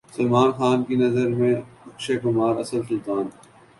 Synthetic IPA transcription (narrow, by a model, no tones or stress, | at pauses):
sɐlmaːnxaːnkinɐzəɾmẽʊkʃekʊmaːɾɐsəlsʊlt̪aːn